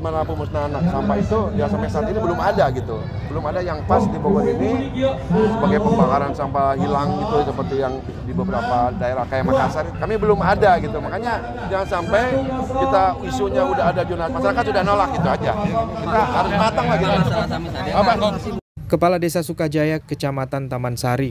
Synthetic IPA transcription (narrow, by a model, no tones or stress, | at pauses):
manapuməsnanasampait̪udiasampajsat̪inibəlʊmadaɡit̪u | bəlʊmadajaŋpasdiboɡɔɾini | səbaɡajpəmbakaɾansampaɦilaŋɡit̪usəpərt̪ijaŋ | dibəbəɾapadaeɾahkajamakasaɾkamibəlʊmadaɡit̪umakaɲa | d͡ʒaŋansampajkit̪aisuɲaudaɦadad͡ʒunamasaɾakat̪udahnolak̚ɡit̪uad͡ʒakit̪aaɾʊsmat̪aŋlaɡit̪a | aba | kəpaladesasukad͡ʒajakət͡ʃamat̪ant̪amansaɾi